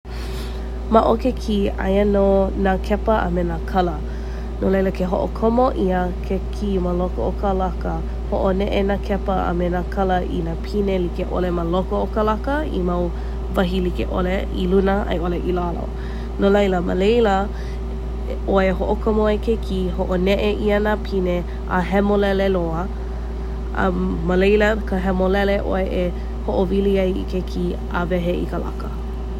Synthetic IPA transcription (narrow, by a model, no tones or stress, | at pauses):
maʔokekʰiɐ̰jənonakʰɛpəʔə̰menakʰɐlə | nolejləkʰeɦo̰ʔo̰kʰomoʔiəkʰekʰiməlokookʰəlakə | hoʔoneʔenakʰɛpəə̰menakʰɐləʔḭnaːpʰinelikeʔo̰leməlokookəlakəḭmɐw | vɐɦilikḛʔo̰leʔilunəʔɐ̰jʔoleʔilalo̰ | nolɐjləmə̰lejlə | ʔoeɦoʔokʰəmoekʰekihoʔonɛʔeʔiənapʰine | ʔa̰ɦɛmolɛleloə | ɐ̰mːəlejləkʰəɦɛmolɛleʔo̰eʔe | hoʔoviliɐjḭkʰekʰi | a̰vɛɦeḭkəla̰kə